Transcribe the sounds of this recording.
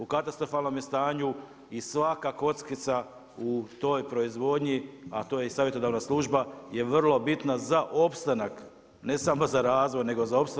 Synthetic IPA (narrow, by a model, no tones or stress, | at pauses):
ukat̪ast̪ɾo̞faːlˠno̞mjest̪aːɲu | isʋakako̞t̪skit̪sa | ut̪o̞jpɾo̞izʋo̞d̪ɲia̰t̪ojeisaːʋjet̪o̞d̪aʋnaslˠuʒbaje̞ʋrlˠo̞bit̪nazaʔo̞pst̪anak | ne̞samo̞zaɾaːzʋo̞jne̞ɡo̞zao̞pst̪